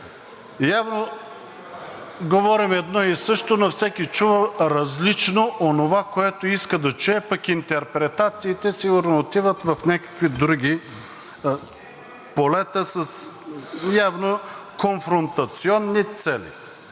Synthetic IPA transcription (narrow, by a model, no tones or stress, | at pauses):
javno | ɡovɔɾimɛd̪nɔisɤʃt̪onɐfsɛkit͡ʃuvəɾɐzlit͡ʃnoʔonovakoɛt̪oiskəd̪ɐt͡ʃuɛpɐkint̪ɛɾpɾɛt̪at̪siːt̪ɛsiɡʊɾnoːt̪ivət̪vɐfnʲakə̥kvid̪ɾuɡʲi | polɛt̪əsɐs | javnokonfɾont̪ɐt̪siɔnːit̪sɛlḭ